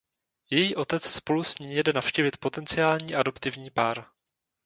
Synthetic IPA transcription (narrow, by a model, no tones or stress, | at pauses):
jɛjiːʔo̞t̪ɛt͡sspo̞lusɲiːjɛdɛnafʃciːvɪt̪po̞t̪ɛnt͡sɪaːlɲiːʔado̞pt̪ɪvɲiːpaːɾ